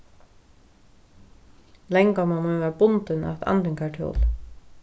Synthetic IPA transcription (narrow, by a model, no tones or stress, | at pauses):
lɛŋkamanmɔvɛːɾabʊnt̪ɪna̰t̪ʰa̰nt̪ɪŋkʰaʈʰjo̰ːl